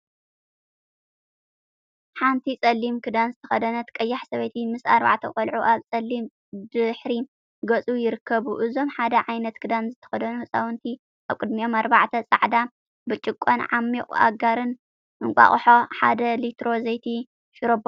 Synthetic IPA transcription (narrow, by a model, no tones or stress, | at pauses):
ħant̪ʰit͡sʼɐlːimkʰɨd̪anzɨt̪ʰɐxɐd̪ɐnɐt̪kʼɐjːaħsɐβɐjt̪ʰimɨsa̰ɾba̰ʕt̪ʰɐkʼɐlʕuʔaβt͡sʼɐlːim | d̪ɨħɾi | ɡɐt͡sʼujɪɾɨkʰːɐβuʔɨzo̞mħad̪ɐʕajnɐt̪kʰɨd̪anzɨt̪ʰɐ̥xɐd̪ɐnuhɨsʼawɨnt̪ʰi | ʔaβkʼɨd̪mio̞maɾbaʕt̪ʰɐt͡sʼa̰ʕd̪a | bɨt͡ʃʼɪkʼːonʕamːikʼa̰ɡaɾɨn | ʔɨŋkʷʼa̰χʼħo̞ħa̰d̪ɐlit̪ʰɾo̞zɐjt̪ʰi | ʃʊɾob